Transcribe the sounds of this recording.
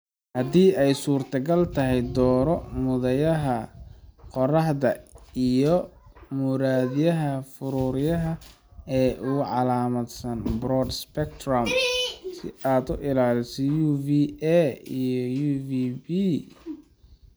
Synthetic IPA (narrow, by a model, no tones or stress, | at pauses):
hɐd̪iːɛjsuːrt̪ʰɐɡɐlt̪ʰɐɦɛjd̪ɔːɾɔmʊðɐjɐɦɐ | qɔrɐħðɐijɔmʊɾaːðɪjɐɦɐfʊɾʊɾɪjɐɦɐ | ɛːʔʊɣʕɑlaːmɐd̪sɐnbɾɔːd̪spɛkt̪rɔmsɪ̰aːd̪ʊʔɪlaːlɪsɐjuːviɛijɔjuːvibiː